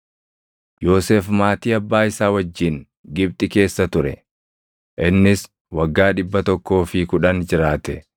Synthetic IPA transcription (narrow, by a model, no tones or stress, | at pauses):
jo̞ːseːfmaːt̪iːɐbːaːɪsaːwɐd͡ʒːɪŋ | ɡɪb̚t̪ʼɪke̞ːsːɐt̪ʊɾɛ̰ | ʔɪnːɪs | wɐɡːaːᶑɪbːɐt̪ɔkːo̞ːfɪkʊᶑɐnd͡ʒɪɾaːt̪ɛ